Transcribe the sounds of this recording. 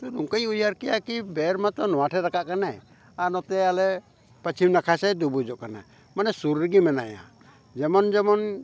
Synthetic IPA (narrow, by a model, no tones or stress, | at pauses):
t̪ɔɾuŋkəjujaɾkɛjakibɛɾmat̪ɔnɔwaʈʰɛɾakaʔkana | aɾnɔt̪ɛalɛ | pət͡ʃʰimnakʰasɛd̪ubud͡ʒɔʔkana̰ | manɛsuɾːəɡimɛnaja̰ | d͡ʒɛmɔnd͡ʒɛmɔn